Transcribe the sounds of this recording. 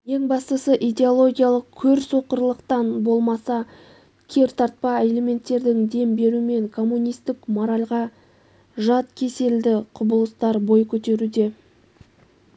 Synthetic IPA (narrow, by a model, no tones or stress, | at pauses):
je̞ŋbɑst̪əsəʔid̪ʲe̞o̞lˠo̞ɡʲijalˠəq̚kʲʰɵɾso̞qəɾlˠəqt̪ɑnbo̞lˠmɑsɑ | kʲʰe̞ɾt̪ʰɑɾt̪̚pɑe̞le̞me̞nt̪ːe̞ɾd̪ɪŋd̪e̞mbe̞ɾuɪme̞ŋkʰo̞mːunijst̪ɪkmo̞ɾɑlʲʁɑ | ʒɑt̪kʲʰe̞se̞ld̪ɪqʰʊbəlˠəst̪ɑɾbo̞jkʲʰɵt̪e̞ɾud̪e̞